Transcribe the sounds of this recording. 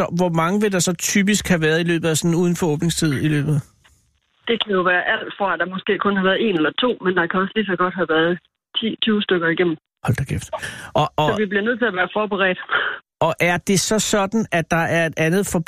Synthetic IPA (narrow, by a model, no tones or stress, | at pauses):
ɒʋɒmɑ̈ŋəʋe̝d̥ɑ̈sɒ̽t͡sʰyb̥isɡ̥hæʋæːɐð̩ˠilø̰ːb̥ð̩ˠæsɒ̽n̩uð̞ˠn̩fɒ̽ɔ̽ːb̥ne̝ŋst͡sʰið̞̰ˠilø̰ːb̥ð̩ˠ | d̥e̝kʰæjo̝ʋæːɐʔæl̰d̥fʁɑ̈æd̥ɑ̈mɒ̽sɡ̥e̝̰ːkʰɔ̽nhæʋæːɐð̩ˠe̝nelɐt͡sʰo̝̰ːmend̥ɑ̈kʰæɒ̽slis̬ɒ̽ɡ̥ɒ̽d̥ɦæʋæːɐð̩ˠ | t͡sʰḭːt͡sʰyːʊsd̥øɡ̥ɐiɡ̥em̰m̩ | hɒ̽l̰d̥ɑɡ̥efd̥ʔɒ̽ʔɒsʋib̥liɐnøð̰ˠt͡sʰe̝æʋæːɐfɒːb̥eʁɛ̰ːd̥ | ʔɒ̽ʔæɐd̥e̝sɒ̽sɒ̽d̥n̩æd̥ːɑ̈æɐe̝d̥ænð̩ˠfɒ̽b